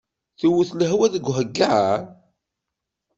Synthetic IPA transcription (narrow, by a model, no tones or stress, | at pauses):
θuwuθləɦwæðəɡʷɦəɡːaʕ